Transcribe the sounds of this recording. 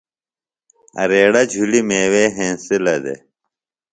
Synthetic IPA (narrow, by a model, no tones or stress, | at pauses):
ɐ̰ɾeːɽɐd͡ʑʱulimeːweːɦẽːsilɐd̪ḛ